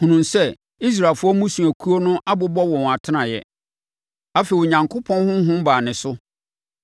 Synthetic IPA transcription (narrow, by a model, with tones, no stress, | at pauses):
hũ˨nũ˨nsɛ˦ | i˦s̬ɾa˨lfʊ˦ɔ˦mũ˦sũ˨æ˨kʰu˦o˦nʊ̃˦ʔa˦bʊ˦bɔ˦wɔ̃˨w̃a˨tʰɪ˦nã˨jɛ̰˨ | a˦fe˨ɲã˨ŋkʰʊ˦pʰɔ̃˦nhʊ̃˦ɦʊ̃˦m˦baː˨nɪ̃˨sʊ˦